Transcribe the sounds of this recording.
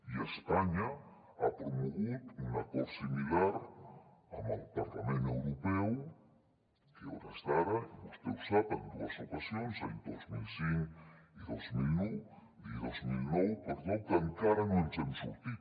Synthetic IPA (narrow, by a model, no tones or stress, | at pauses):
iespaɲa | a̰pɾomoɣit̪unakoɾsimilaɾ | a̰ma̰lpaɾk̪amẽnewɾopew | keoɾast̪aɾaimust̪eusapend̪uasit̪wasjonsajnd̪ozmilsiŋiðozmilnuw | iðozmilnowpeɾðowk̪aŋkaɾanent͡ʃensut̪i